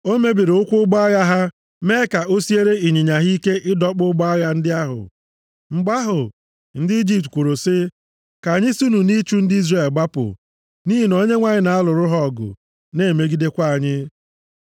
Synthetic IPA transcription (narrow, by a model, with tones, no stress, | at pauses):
o˦me˦bi˨ɾʊ˦kʷʊ˦ɡ͡bɔ˦ja˦ɦa˦ | me˦ka˨ʔo˦si˦e˦ɾe˦i˨ɲi˨ɲa˨ɦi˦ke˦ʔɪ˦dɔ˦k͡pʊ˦ɡ͡bɔ˦ja˦n̩˦dɪ˦a˦ɦʊ̰˨ | ŋ͡m̩˨ɡ͡ba˦ɦʊ˨ | n̩˦dɪ˦i˦d͡ʒi˦p̚tkʷo˨ɾo˨sɪ˦ | ka˨ɲɪ˦su˦nu˨ni˦t͡ʃu˦n̩˦dɪ˦i˦zre˨lɡ͡ba˦pʊ̰˨ | ni˦ɦi˨no˦ɲe˦ŋʷa˨ɲɪ˨na˨a˦lʊ˨ɾʊ˦ɦɔ˦˨ɡʊ̰˨ | ne˦˨me˦ɡi˦de˦kʷa˦a˨ɲɪ˦